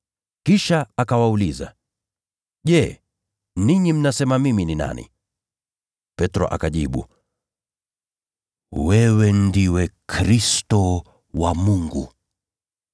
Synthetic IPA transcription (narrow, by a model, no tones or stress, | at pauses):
kiʃaakawauliza̰ | ʄɛ | niɲim̩nasɛmamiminina̰nḭ | pɛtɾɔ̰ʔa̰kaʄiɓṵ | wɛwɛndiwɛkʰɾistɔ | wamuŋɡu